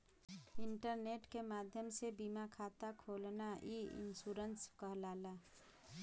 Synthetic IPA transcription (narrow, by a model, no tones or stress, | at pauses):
ɪɳʈəɾneʈkemaːd̪ʱjəmsebimakʰat̪akʰoːlnaiḭnsuɾənskəɦlaːla